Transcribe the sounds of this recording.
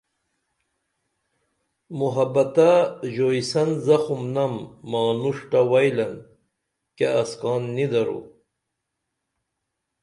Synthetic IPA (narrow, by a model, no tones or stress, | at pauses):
muɦɐbɐt̪aʑojsɐnzɐxumnɐmːɑːnuʂʈawɐjlɐn | keɐskɑːnːid̪ɐɾṵ